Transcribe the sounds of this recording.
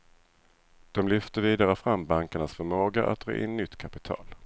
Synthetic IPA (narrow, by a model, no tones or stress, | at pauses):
d̪̥ɔmlʏft̪əviːd̪aɾəfɾamːbaŋkəɳasfœɾmoːɡaʔa̰t̪̚ːɾɑ̰ːʔɪ̰nːʏt̪ːkʰapɪt̪ʰɑ̰ːl